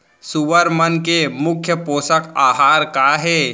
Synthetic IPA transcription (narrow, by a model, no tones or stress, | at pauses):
suʋəɾmənkemʊkʰjəpoːsəkaːɦaːɾkaɦɛː